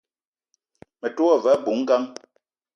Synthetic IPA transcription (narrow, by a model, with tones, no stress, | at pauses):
mɛ˨twɔ˦˨vɛ˨˦bu˨˦ŋ̩˦ɡa˦ŋ